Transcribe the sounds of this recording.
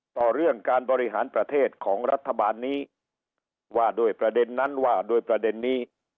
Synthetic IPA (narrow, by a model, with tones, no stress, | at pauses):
t̪ɔː˨˩ɾɯ˥˩əŋkaː˧nbɔː˧ɾi˦˥ɦa̰ː˩˦npɾa˧t̪ʰeː˥˩t̪̚kʰɔː˩˦ŋɾa˦˥t̪ʰːa˧baː˧nːiː˦˥ | waː˧˩doː˧jpɾa˧de˧nːa˦˥nwaː˧˩doː˧jpɾa˧de˧nːiː˦˥